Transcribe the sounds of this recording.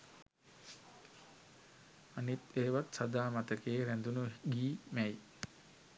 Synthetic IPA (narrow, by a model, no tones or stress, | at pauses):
anit̪eːʋat̪sad̪aːmat̪əkeːɾænd̪unuɡiːmɛj